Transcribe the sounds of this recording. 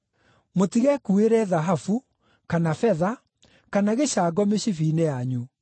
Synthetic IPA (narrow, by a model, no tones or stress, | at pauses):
motiɣɛkueɾɛðaɦafu | kanafɛða | kanaɣeɕaːɡɔmeɕifinejaɲu